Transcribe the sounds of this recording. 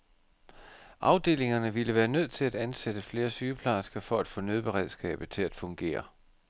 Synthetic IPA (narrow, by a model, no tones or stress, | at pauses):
ʔɑ̈ʊd̥e̝̰ːle̝ŋɐnəʋiləʋæːɐnøð̞̰ˠt͡sʰe̝læd̥ænsed̥əfle̝ːɐsyːpʰlɑsɡ̥ɐfɒ̽æd̥fɔ̰̽ːnøðˠb̥e̝ʁɛð̞ˠsɡ̥ɛ̰ːb̥ð̩ˠt͡sʰe̝læd̥fɔ̽ŋɡ̥e̝̰ːɐ